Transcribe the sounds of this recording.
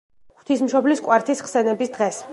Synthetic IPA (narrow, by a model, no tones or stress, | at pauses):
χʰt̪ʰismʃɔbliskʼwaɾt̪ʰisχsɛnɛbisd̪ʁɛs